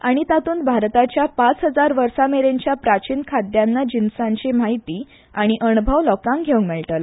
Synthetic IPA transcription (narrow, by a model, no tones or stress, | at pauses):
aɽ̃it̪at̪uːnbʱaɾt̪at͡ɕjapat͡sɦəd͡zaɾʋəɾsameɾeɲt͡ɕjapɾat͡ɕiːnkʰad̪janːad͡ʑinsãɲt͡ɕemaɦit̪iː | aɽ̃iʔənubʱəʋlɔkãŋɡʱeũŋɡmɛɭʈəl